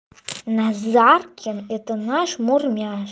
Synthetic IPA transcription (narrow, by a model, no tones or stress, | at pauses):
nazarkʲʰːɪnetʰʼɨnaʂmurmʲiaʃ